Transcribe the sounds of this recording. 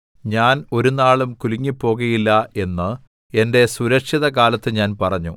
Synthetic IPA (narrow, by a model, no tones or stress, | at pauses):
ɲaːno̞ɾunaːɭumkuliŋːipːo̞ːɣɐjilːɐe̞nːɨ | e̞nde̞suɾɐkʂiðɐkaːlɐt̪ːɨɲaːnpɐrɐɲːu